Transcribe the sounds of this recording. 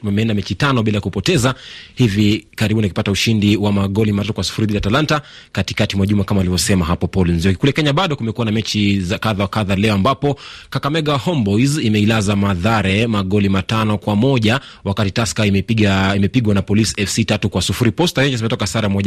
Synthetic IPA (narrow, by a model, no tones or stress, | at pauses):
amɛɛndamɛt͡ʃitanɔɓilajakupɔtɛzahivikaɾiɓunakipatauʃindiwamaɠɔlimatatukwasu̥fuɾiɓilatalantakati̥katimwaʄumakamaːlivɔsɛmaɦapɔpɔlinziɔkikulɛkɛɲaɓaɗɔkumɛkuwanamɛt͡ʃizakaðawakaðalɛɔambapɔkakamɛɠahɔmbɔjzimɛilazamaðaɾɛmaɠɔlimatanɔkwamɔʄa | wakatitaskaimɛiaimɛpiɠwanapɔlisi̥ɛfsitatukwasufuɾipɔstaɾɛɲd͡ʒasimɛtɔkasaɾamɔʄa